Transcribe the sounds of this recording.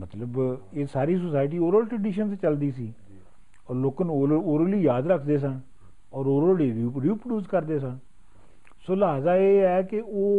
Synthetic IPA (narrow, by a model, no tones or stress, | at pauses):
mət̪ləb | eːsaːɾiːsosaːɪʈ̬iːoːɾəlʈɾəɖiːʃənst͡ʃəld̪iːsiː | ɔːɾloːkənːoːɾəliːjaːd̪ɾəkʰd̪eːs̬ãː | ɔːɾoːɾoːleːɾiːpɾəɖjuːskəɾd̪eːsãː | soːləɦaːzaːeːɛːkɪoː